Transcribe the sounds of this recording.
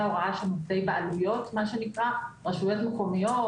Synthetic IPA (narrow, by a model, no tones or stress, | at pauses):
oʁaʃemufdejbeʔalujo̞t̪maʃenikʁaʁaʃujot̪mekomijo